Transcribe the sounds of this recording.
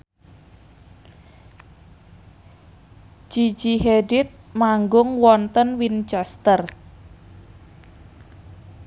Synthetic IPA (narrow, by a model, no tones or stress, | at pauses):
d͡ʒ̥i̥d͡ʒiɦeɖɪt̪̚maŋɡʊŋwɔnt̪ənwint͡ʃɛst̪ər